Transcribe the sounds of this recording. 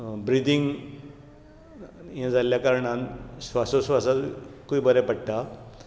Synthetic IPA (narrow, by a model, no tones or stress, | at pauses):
bɾid̪iŋɡ | jãd͡zʱaljakaɾɳãnsʋasosʋasakuibəɾɛpəɽʈ̪a